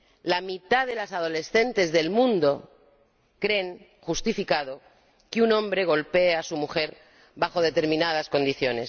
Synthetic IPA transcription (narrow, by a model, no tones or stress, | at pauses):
lamit̪aðe̞lasað̞o̞le̞sθe̞nt̪e̞zðe̞lmũnd̪o | kɾe̞ŋ | xust̪ifikaðo̞ | kunõ̞mbɾe̞ɣ̞o̞lpe̞asumuxe̞ɾ | βaxo̞ð̞e̞t̪e̞ɾmĩnað̞asko̞nd̪iθjo̞ne̞s